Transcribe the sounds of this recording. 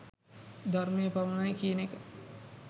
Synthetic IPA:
d̪armejəpaʋunajkiːənekə

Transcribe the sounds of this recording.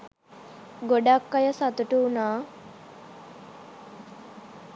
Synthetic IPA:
ɡoɖakːajəsat̪uʈuːnaː

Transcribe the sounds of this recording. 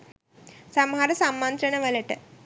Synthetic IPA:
samɦaɾəsamːant̪ɾənəʋələʈə

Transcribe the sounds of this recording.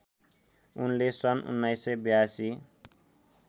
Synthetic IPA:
ṵnlesʌnṵnːajsebjasi

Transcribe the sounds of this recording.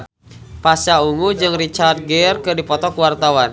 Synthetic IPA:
pasauŋud͡ʒɨŋrit͡ʃart̪̚ɡɛrkɨrdipɔt̪ɔkuwart̪awan

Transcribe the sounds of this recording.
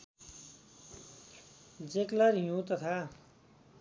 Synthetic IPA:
d͡zeklaɾjũt̪ʌt̪ʰa

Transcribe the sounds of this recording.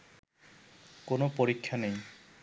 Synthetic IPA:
konopoɾikʰːanej

